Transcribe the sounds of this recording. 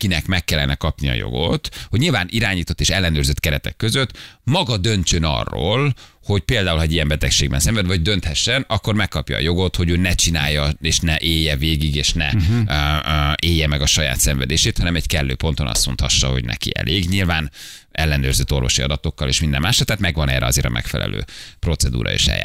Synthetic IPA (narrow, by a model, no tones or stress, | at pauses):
kinɛkmɛkːɛlːɛnɛkɒpniɒ̰jo̰ɡo̞t̪ho̞ɟɲilvaːniɾaːɲiːt̪o̞t̪ːeːʃɛlːɛnøːrzøt̪kɛɾɛt̪ɛkːøzøt̪ːmɒɡɒd̪ønt͡ʃønɒ̰rːo̰ːl | ho̞ɟpeːld̪aːulhɒɛɟijɛmbɛt̪ɛkʃeːɡbɛnsɛɱvɛd̪vɒoɟd̪ønt̪hɛʃːɛnɒkːo̞rmɛkːɒpjɒ̰ːjo̞ɡo̞t̪ho̞ɟøːnɛt͡ʃina̰ːjːɒeːʃnɛʔeːjːɛveːɡiɡeːʃnɛ̰ | eːjːɛmɛɡɒʃɒja̰ːt̪sɛɱvɛd̪eːʃeːt̪hɒnɛmɛɟkɛlːøːpo̞nt̪onɒ̰st̪mo̞̰nt̪hɒʃːɒho̞̰ɟnɛ̰kḭɛ̰leːɡɲilvaːn | ɛlːɛnøːrzøt̪ːo̞rvo̞̰ʃiɒd̪ɒt̪o̞kːɒlḛːʃmind̪ɛ̰mːaːʃɒlt̪ɛhaːt̪mɛɡvɒnɛ̰ːrɾʔɛɒzeːɾɒ̰mɛ̰kfɛlɛ̰lø̰ːpro̞t̪sɛd̪ṵːɾʔɒ̰ḛːʃɛ̰ja̰